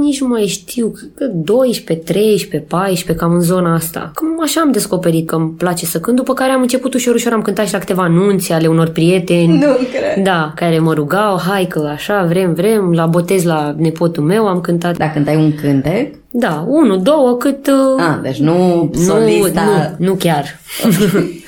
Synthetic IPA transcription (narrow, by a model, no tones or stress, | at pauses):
nit͡ʃnmajʃt̪ʰiwkɨt̪̚d̪o̞jʃpe̞t̪ɾe̞jʃpe̞pajʃpe̞kamɨnzo̞naast̪a̰kəmaʃaːmd̪e̞sko̞pe̞ɾit̪̚kəmplat͡ʃe̞səkɨnd̪upəkaɾeamɨnt͡ʃe̞put̪uʃio̞ɾuʃo̞ɾamkɨnt̪at̪ʃilakɨ̥t̪e̞vaːnunt̪seale̞uno̞rpɾije̞t̪e̞nʲukd̪akaɾe̞məɾuɡawɦajkəaʃavɾe̞mvɾe̞mlabo̞t̪e̞zlane̞po̞t̪ulme̞wamkɨnt̪at̪d̪akɨnt̪ajuŋkɨnt̪ek | d̪aunud̪o̞wəkɨt̪ad̪et͡ʃnunununukʲar